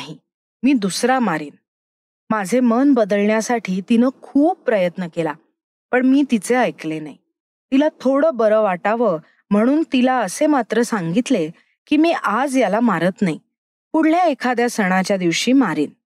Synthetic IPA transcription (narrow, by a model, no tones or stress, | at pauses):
ɦi | miːd̪usɾamaɾiːn | mad͡zʱemənbəd̪əlɳjasaʈʰiːt̪inəkʰuːb̚pːɾəjət̪nəkela | pəɳmiːt̪it͡seəjklenaɦi | t̪ilat̪ʰoɽəːbəɾəʋaʈaʋə | m̤əɽ̃uːnt̪ilaəsemat̪ɾəsãŋɡit̪le | kiːmiːʔad͡zjalamaɾət̪naɦi | puɽ̤ljaekʰad̪jasəɽ̃at͡ɕjad̪iʋɕiːmaɾiːn